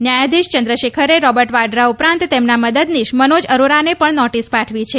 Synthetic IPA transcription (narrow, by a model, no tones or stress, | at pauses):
njajad̪iʃt͡ʃənd̪ɾəʃekʰəɾeɾɔbəɾʈʋaɖɾaupɾãnt̪t̪emnaməd̪əd̪niʃmənod͡ʒəɾoɾanepəɳnɔʈispaʈʰʋit͡ʃʰe